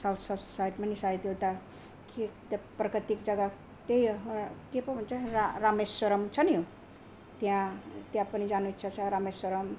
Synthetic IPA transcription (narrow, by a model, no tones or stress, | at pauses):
sawt̪ʰsʌsajʈmanisajt̪jot̪a | ket̪prʌkʌt̪ikd͡zʌɡa | ʈ̪ejokepʌbʱunt͡sʰaɾaɾamesswʌɾʌmt͡sʰʌniju | t̪jãt̪jãpənid͡zanut͡sʰʌt͡sʰʌɾamesswoɾʌm